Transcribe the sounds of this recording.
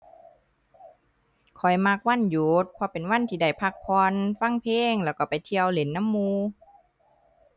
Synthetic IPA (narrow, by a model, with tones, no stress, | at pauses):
kʰɔ˨˩jma˧k̚wa˧˥˨njuː˨˦t̪̚pʰɔ˧pe˨nwa˧˥˨nt̪ʰiː˧˩da˧˩jpʰa˧k̚pʰɔː˧nfa˧˥˨ŋpʰeː˧ŋlɛː˧˩wka˧˩pa˨jt̪ʰi˧əwle˨˦nːa˧˥˨mːuː˧